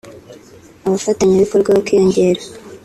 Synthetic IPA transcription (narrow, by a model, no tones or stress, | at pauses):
aβafataɲaβiko̞ɾɡwaβakwijoɲɟe̞ɾa